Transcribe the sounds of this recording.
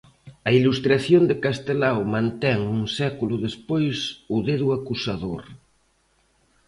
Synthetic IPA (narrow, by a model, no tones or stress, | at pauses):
ɐilust̪ɾaθjond̪ekast̪elawmãnt̪ɛŋuŋsɛkulʊðespojsuðeðuakusaðoɾ